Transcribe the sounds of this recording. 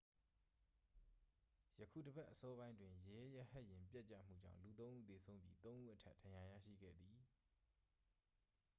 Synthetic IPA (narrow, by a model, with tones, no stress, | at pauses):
jə˨kʰṵ˦˨də˨bɛ˦ʔəsɔ˦βã˦ɪ̃ndwɪ̃˨je˨˦ja˦hɛ˦ʔjɪ̃˨mpjɛ˦ʔt͡ɕä̰˦˨m̥ṵ˦˨d͡ʑã̰˦˨ʊ̃lu˨t̪̬õ˦ʔu˦˨t̪e˨sʰõ˦ʊ̃mbji˦t̪õ˦ʊ̃ʔu˦˨ʔətʰɛ˦ʔd̥ã˨ja˨jä̰˦˨ʃḭ˦˨ɡɛ̰˦˨d̪ði˨